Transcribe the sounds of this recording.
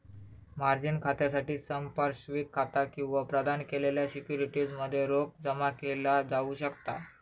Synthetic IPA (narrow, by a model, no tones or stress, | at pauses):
maɾd͡ʑinkʰat̪jas̬aʈiːsəmpaɾɕʋiːkʰːat̪akĩw̃ʋapɾəd̪ankeleljasikjuɾiʈid͡zməd̪ʱːjeɾok̚d͡zəmakelad͡zauːɕəkt̪a